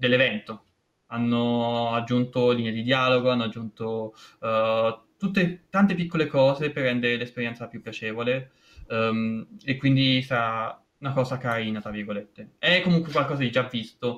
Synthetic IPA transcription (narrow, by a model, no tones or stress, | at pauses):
d̪elːevɛnt̪o | anːoad͡ʒːunt̪olined̪id̪jaːloɡoanːoad͡ʒːunt̪o | t̪ut̪ːet̪ant̪epikːolekɔːzeperːɛnd̪eɾelespeɾjɛnt̪sapjupːjat͡ʃeːvole | mekwind̪isɾa | unakɔːzakaɾiːnat̪ɾavːirɡolet̪ːeɛkːomuŋkwekwalkɔːzad̪id͡ʒavːist̪o